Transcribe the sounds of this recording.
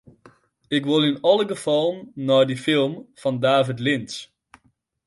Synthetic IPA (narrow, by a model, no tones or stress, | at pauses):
ɪkʋolɪnɑləɡəfɑlˠnɔjdifɪlˠmfɑndaːvətlɪns